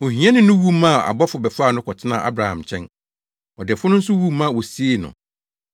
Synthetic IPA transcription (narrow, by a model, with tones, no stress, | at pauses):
o˨hĩ˨˦ɛ̃˦nɪ̃˦nʊ̃˦wu˦mã˦˨a̰˨bɔ˦fʊ˨bɛ˨faː˦˨nʊ̃˦kʰɔ˨tʰɪ˦nã̰˨ʔa̰˦bɾa˨hã̰˨mt͡ɕʰɛ̃˦n | ɔ˨dɛ˨fʊ˦nʊ̃˦n̩˦sʊ˦wu˦mã˦˨wɔ˨si˦e˦˨nʊ̰̃˨